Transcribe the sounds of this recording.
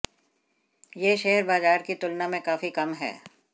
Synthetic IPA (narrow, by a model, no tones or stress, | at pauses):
jeːʃeɦəɾbaːzaːɾkit̪ʊlnamẽkaːfikɐmɦɛ̰ː